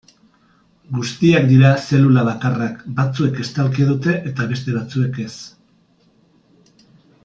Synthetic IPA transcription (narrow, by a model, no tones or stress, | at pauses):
ɡust̪iak̚d̪iɾase̞lulaβakarakbat͡sue̞ke̞st̪alkeðut̪e̞ʔet̪aβe̞st̪e̞βat͡sue̞ke̞s